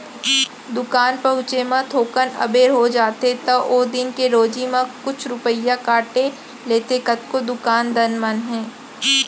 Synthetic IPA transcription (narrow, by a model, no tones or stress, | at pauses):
d̪ʊkaːnpɐɦʊ̃t͡ʃemãt̪ʰoːkənɐ̰beːɾɦod͡ʒaːt̪et̪ɐʔoːd̪ɪnkeɾoːd͡ʒimãkʊt͡ʃʰɾʊpəjakaːʈe | leːt̪ekɐt̪kod̪ʊkaːnd̪ɐnmənɦɛ̃ː